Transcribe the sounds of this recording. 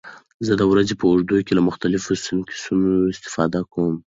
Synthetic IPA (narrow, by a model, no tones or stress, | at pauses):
zəd̪əwɾazepəʊʐd̪ujkelamʊxt̪alɪfosɪnkʰi̥sunoɪst̪ɪ̥fɑd̪akawəm